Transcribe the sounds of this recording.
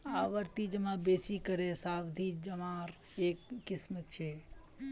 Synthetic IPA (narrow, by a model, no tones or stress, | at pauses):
aʋəɾt̪id͡ʒəmãbesikəɾesaʋd̪ʱid͡ʒəmãɾ | ekːɪsmət͡ʃʰe